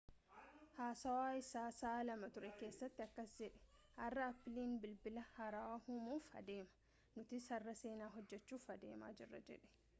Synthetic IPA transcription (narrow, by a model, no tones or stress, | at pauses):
haːsɐwaːɪsaːsaːlɐmɐt̪ʊɾɛke̞ːsːɐt̪ːɪɐkːɐsd͡ʒɛᶑɛ̥ | ʔɐrːɐɐpːɪliːnbɪlbɪlɐhɐɾawahumuːfhɐ̰d̪e̞ːmɐ̥ | nʊt̪ɪsɐrːɐse̞ːnaːɦɔd͡ʒːɛt͡ʃːuːfɐd̪ḛːma̰ːd͡ʒɪrːɐ̰d͡ʒɛ̰ᶑɛ̥